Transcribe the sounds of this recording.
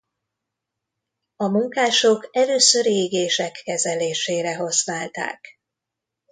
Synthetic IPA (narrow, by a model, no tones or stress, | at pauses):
ɒmuŋkaːʃokɛløːsøɾeɡeːʃɛkːɛzɛleːʃeːɾɛɦosnaːlt̪a̰ːk